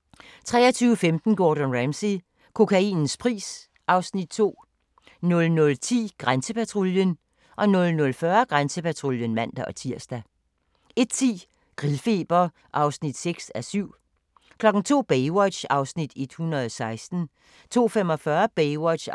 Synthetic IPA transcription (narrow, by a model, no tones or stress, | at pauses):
t͡sʰʁɛ̰ːɐt͡sʰyːʊəfemd̥n̩ɡ̥ɒːd̥ənʁæmsi | kʰo̝kʰæḭːnn̩spʰʁḭːs | ʔɑ̈ʊsnid̥̚t͡sʰo̝̰ː | nɔ̽lnɔ̽lt͡sʰḭːɡ̥ʁansəpʰæt͡sʰʁoljən | ʔɒ̽nɔ̽lnɔ̽lfɶɐɡ̥ʁansəpæt͡sʰʁo̝ljənmæn̰d̥æʔɒ̽t͡sʰiɐ̰sd̥æ | e̝d̥t͡sʰḭː | ɡ̥ʁilˠfe̝̰ːb̥ɐ | ʔɑ̈ʊsnid̥seɡ̥sæsyʊ̰ | kʰlɒ̽ɡ̥n̩t͡sʰo̝̰ːb̥eɪwɒ̥̽ɕɑ̈ʊsnid̥e̝d̥hunɐð̩ˠɒsɑ̈ɪsd̥n̩ | t͡sʰo̝̰ːfemɒ̽fɶɐb̥eɪwɒ̥ɕ